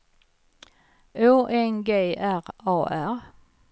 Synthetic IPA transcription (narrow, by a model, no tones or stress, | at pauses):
oːʔɛnɡeːæʁɑːʔæɾ